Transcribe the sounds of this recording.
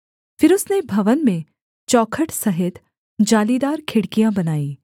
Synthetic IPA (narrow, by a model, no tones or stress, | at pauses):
fɪɾʊsnebʱɐʋənmẽ | t͡ʃɔːkʰəʈsɐɦɪt̪ | d͡ʒaːlid̪aːɾkʰɪɽkijãbɐnaːiː